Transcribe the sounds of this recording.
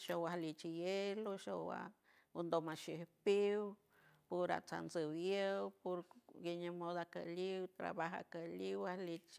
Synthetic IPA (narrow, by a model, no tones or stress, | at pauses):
ʃowahlit͡ʃijeloʃowa̰ | ond̪omaʃipiw | poɾa̰t͡sa̰nsəwjəwpoɾɡiɲamod̪aka̰liwt̪ɾa̰βaɦa̰kaliwahlit͡ʃ